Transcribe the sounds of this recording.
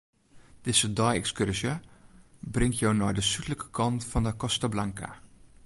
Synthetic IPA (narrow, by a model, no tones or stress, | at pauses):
d̥ɪzədɔjɛkskørsjə | brɪŋtjownɔjdəsytələkə̥kʰɑntfɔndəkɔstablaŋka̰